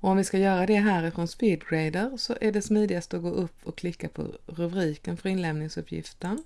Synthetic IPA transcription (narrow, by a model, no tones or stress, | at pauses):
ɔɔmvɪskajœːɾad̪ɛɦæːɾɪfɾɔnspiːd̪ɡɾɛɪd̪əɾsɔʔæɖɛsmiːd̪ɪɡast̪əɔɡoːʔɵpːɔkʰlɪkːapʰɔ̰ɾɵbɾiːkənfœɾɪnlɛmnɪŋsɵpʰːjɪ̰ft̪əɳ